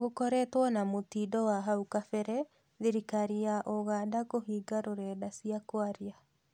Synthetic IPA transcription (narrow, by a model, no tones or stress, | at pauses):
ɣokɔɾɛtwɔnamotidɔwaɦaukafɛɾɛ | ðeɾikaɾiaʔoɣaːdakohiːɡaɾoɾɛːdasiakwaɾia